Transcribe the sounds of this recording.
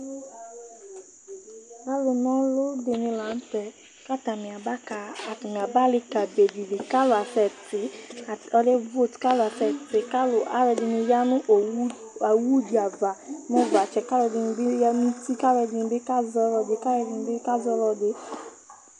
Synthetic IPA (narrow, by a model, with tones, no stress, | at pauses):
ka˦lʊ˨nɔ̃˦lo˦de˨nɪ̃˧la˨˦n̩˦tɛ˨ | ka˦ta˨mĩ˨a˨ba˦ka˨a˨kn˨a˨ba˦lɪ˦ka˨be˨di˨lɪ˨ka˦lo˨a˨fɛ˨tɪ˨a˨ɔ˧le˦vo˦˨tka˦lʊ˨a˨fɛ˨tɪ˨ka˦lʊ˨a̰˨˦ɾɛ˧˨dɪ˧nĩ˧ja˦nʊ̃˦ʔ | a˨wu˦di˨a˨va˨mõ˦va˨t͡ʃɛ˨ka˦lɛ˧dɪ˨n˨bɪ˦ja˦nũ˦ti˦ka˦wɛ˧dɪ˨n˨be˦ka˦zɔ˧˦lɔ˧de˨ka˦wɛ˨˧dɪ˨n˨˦be˦ka˦zɔ˦lɔ˧de˨